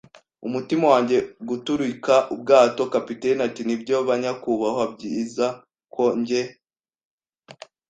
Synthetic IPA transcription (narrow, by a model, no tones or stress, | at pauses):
umutimawaːɲɟe̞ɡutuɾikaʔub̚ɡaːto̞kapitenatinibɟoβaɲakuβahoab̚ɟiːza | kʰo̞ɲɟe